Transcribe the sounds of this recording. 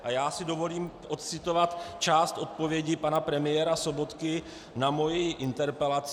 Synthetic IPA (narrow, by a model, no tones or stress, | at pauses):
ʔajaːsɪdo̞vo̞liːmʔo̞t̪̚t͡sɪt̪o̞vat̪t͡ʃaːst̪ʔo̞t̪̚po̞vjɛɟɪpanapɾɛmɪjɛːɾaso̞bo̞t̪kɪ | namo̞jiʔɪnt̪ɛɾpɛlat͡s